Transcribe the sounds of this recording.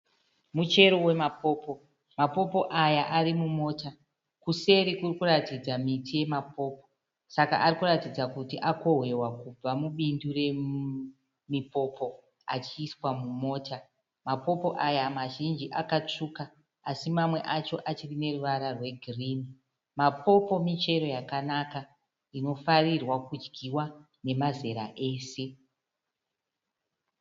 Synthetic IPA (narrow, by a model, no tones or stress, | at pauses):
mut͡ʃe̞ɾowe̞mapo̞ːpo̞ | mapo̞po̞ʔajaʔaɾimumo̞ːta | kuse̞ɾikurikuratid͡zamitʰije̞mapo̞ːpo̞̥ | saka̰ʔːrikuratid͡zakutiʔako̞ɦwe̞wakub͡vamuɓindure̞ | mipo̞po̞ | a̰t͡ʃiːswamumo̞ːta | mapo̞po̞ʔajamaʒind͡ʒiʔakat͡ʂukaː | simamwe̞ʔat͡ʃo̞ʔat͡ʃirine̞ruʋaɾarwe̞ɡʱirini | mapo̞po̞mit͡ʃe̞ɾo̞jakanaka | ino̞farirwakud͡ʒɡʱiwa | ne̞maze̞ɾa̰ʔe̞ːse̞